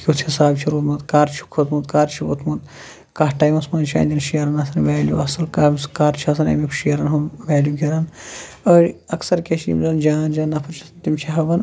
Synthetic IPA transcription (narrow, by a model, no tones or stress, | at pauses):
kʲut̪ʰɐsaːbt͡ʃʰiɾut̪mɐt̪kaːɾt͡ʃʰu̥kʰot̪ʰmɐt̪kaːɾt͡ʃʰiṵt̪ʰmɐt̪ | kaːɦʈaːjimɐsmɐːnt͡ʃʰa̰ːnd̪ɐnʃijɐɾɐnɐsɐnʋɛːljṵɐsɐlkaːmskaːɾt͡ʃʰɐsɐnɐ̰mikʰʃijɐɾɐnɦɐmʋɛːljuɡʲiɾɐn | əːɾɐksɐɾkeʃiḭmzɐnd͡ʒaːnd͡ʒaːnɐpʰɐt͡ʃʰisɐnt̪imt͡ʃʰiɦɐʋɐn